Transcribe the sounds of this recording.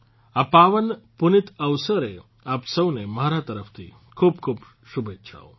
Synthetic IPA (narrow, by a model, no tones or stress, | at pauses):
apaʋənpunɪt̪əʋsəɾe | apsəʋnemaɾat̪əɾəft̪ʰḭ | kʰub̚kʰuːb | ʃubʱet̪ːʃʰa̰o